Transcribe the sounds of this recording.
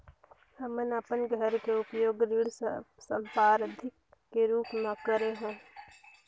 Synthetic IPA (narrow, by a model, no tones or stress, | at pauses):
həmənəpənɡʱəɾkeʊpjoːɡɾɪɽsə̃mpaːɾəd̪ʱɪkː | eɾuːpmə̃kəɾeɦõː